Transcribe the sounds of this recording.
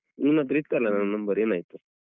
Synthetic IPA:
inat̪̬ɾiːt̪̚kəɾlanananːəmbəɾenajt̪o

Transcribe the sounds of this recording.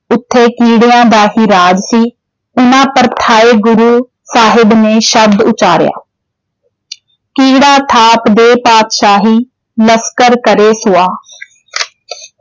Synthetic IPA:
ʊt̪ʰːeːkiːɽɪjãːd̪aːɦiːɾaːd͡ʒsiː | ʊnãːpəɾt̪ʰaːeːɡʊɾuː | saːɦɪbneːʃəb̚d̪ʊt͡ʃaːɾɪja̰ː | kiːɽaːt̪ʰaːpd̪eːpaːt̪ʃaːɦiː | ləskəɾkəɾeːsʊaː

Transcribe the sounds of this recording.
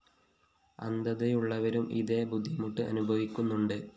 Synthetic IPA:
ɐ̰nd̪ɐðɐjuɭːɐʋɐɾumḭðe̞bud̪ʱːimuʈːɨʔɐ̰nubʱɐʋikʲːunːuɳɖɨ

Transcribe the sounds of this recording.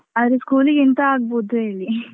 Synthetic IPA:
ɐd̪ɾeskuːliɡint̪ɐaːɡboːd̪ueːɭːi

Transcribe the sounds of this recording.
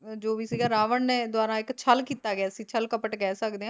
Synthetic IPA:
d͡ʒoːʋiːsiːɡaːɾaːʋəɳneːd̪ʊwaːɾãːɪkt͡ʃʰəlkiːt̪aːɡeaːəsĩːt͡ʃʰəlkəpəʈkɛːsəkd̪eːɦãː

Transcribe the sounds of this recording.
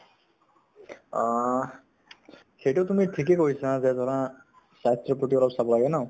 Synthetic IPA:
xejʈot̪umiʈʰik̬ekojsazɛzɔɹã | sast̪ɾɔpɔʈiɔlapsabɔlaɡɛnã

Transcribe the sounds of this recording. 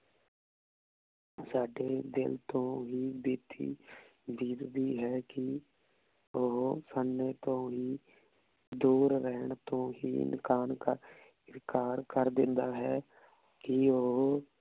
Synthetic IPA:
saːɖeːd̪ɪlt̪õːɦiːbeːt̪ʰḭːd̪iːd̪d̪iːɦɛːkɪ | ʊɦosənːeːt̪õːɦiː | d̪uːɾɾɛɦɳt̪õːɦiːɪ̰nkaːnkaː | ɪɾkaːɾkəɾd̪ɪnd̪aːɦɛː | kɪʊɦ

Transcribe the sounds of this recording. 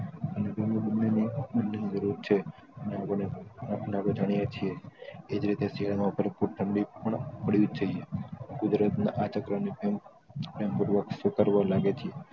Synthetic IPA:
ənebimĩbənːenibənːenid͡ʒəɾuɾt͡ʃʰe | əneapəɳenabəd͡ʒ̪ʱaɽ̃ijat͡ʃʰieed͡ʒɾit̪eseɭamãʋpʰəɾpuɾʈʰəɳɽipəɳpəɽiud͡ʒd͡ʒəiekʊd̪ɾət̪na̰ʔat͡ʃəkɾəmnipem | pɾempuɾʋəkfɪkəɾʋalaɡet͡ʃʰie

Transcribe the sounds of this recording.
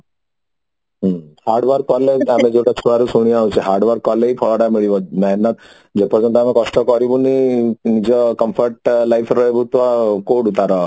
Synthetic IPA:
ɦhaɾɖʋaɾkɔleamed͡ʒewʈat͡ʃʰuɭaɾusuɽ̃iawt͡ʃʰiɦaɾɖʋaɾkɔleipʰɔɭɔɽamiɭibɔmɛɦnat̪ | d͡ʒepɔɾd͡ʒɔnt̪̬ɔamekɔsʈɔkɔɾibuninid͡ʒɔkɔmpʰɔɾʈlajpʰɾɔɦebut̪ʋakoɽut̪aɾɔ

